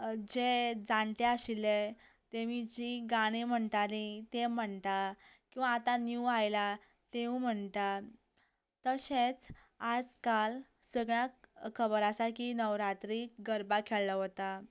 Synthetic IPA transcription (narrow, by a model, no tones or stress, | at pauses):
d͡ʑed͡zaɳt̪eaɕile | t̪eʋid͡ʑiɡaɽ̃im̤əɳt̪alit̪em̤əɳt̪akĩw̃ʋaːt̪anjuajla | t̪eʋũm̤əɳt̪a | t̪əɕet͡s | ad͡zkalsəɡɳjakʰəbəɾasakinəʋɾat̪ɾikɡəɾbakʰeɭlaɦot̪a